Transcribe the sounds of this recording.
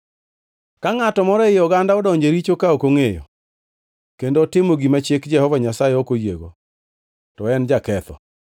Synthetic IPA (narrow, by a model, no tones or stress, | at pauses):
kaŋatɔmɔɾɛɪɔɡandaɔdɔɲd͡ʒeɾit͡ʃokaokoŋejo̰ | kendoːtɪmoɡimat͡ʃekd͡ʒɛhɔvaɲasajeokojḛɡo̰ | tɔɛnd͡ʒakɛt̪ɔ̰